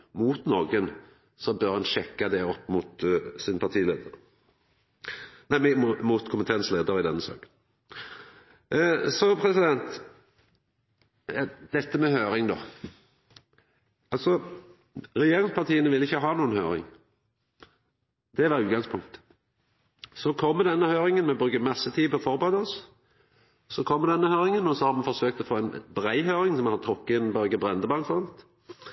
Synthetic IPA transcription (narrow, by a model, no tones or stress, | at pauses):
muːt̪nɔːɡən | sɔbœɾhɑnʃɛkːad̪ɛɔpːmʊt̪sɪnəpʰɑt̪ʰiːleːd̪əʁ | næɪmmmut̪kʰʊmpət̪ʰeːnsleːd̪əɾɪd̪ɛnːəsɑ̰ːɡən | sɔpʰɾɛsɪd̪ɛnt̪ | ɑd̪̥ɛt̪ːəmɛhøːɾɪŋd̪ɔː | ɑlsɔ | ʁɛjeːɾɪŋspʰɑʁt̪ʰiːənəʋɪlːɪçːəɦɑːnuːənhø̰ːɾɪ̰ŋ | d̪̥ɛʋɑɾʉːt̪̚ɡɑŋspʰʊŋkt̪ | sɔkʰɔmːəd̪ɛnːəhøːɾɪŋənmɛbɾʉːɡəmɑsːət̪ʰiːpɔfɔɾbəʁɛːd̪ɔs | sɔkʰɔmːəd̪ɛnːəhøːɾɪŋənɔsɔhɑɾmɑnfɔɾsøːk̚t̪ɔfoːɛnbʁæɪɦøːɾɪŋsɔmhɑt̪ʰɾʊkːəɪnbœɾɡəbʁɛnd̪əbɑnt̪sɔnt̪